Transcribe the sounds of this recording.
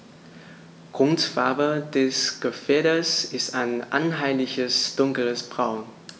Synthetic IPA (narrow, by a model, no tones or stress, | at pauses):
ɡ̥ʁ̥ʊntfaɐbədɛsɡ̥əfɛːɐɾəsɪstaɪnʔa̰nɦaɪlɪçəsd̥ʊŋkl̩əsb̥ʁaʊn